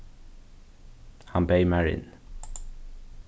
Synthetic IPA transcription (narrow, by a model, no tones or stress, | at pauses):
hɑnbeɪmæɹɪ̰n